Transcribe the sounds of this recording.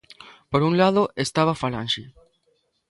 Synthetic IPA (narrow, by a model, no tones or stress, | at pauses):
poɾunlaðoest̪aβafala̰nʃi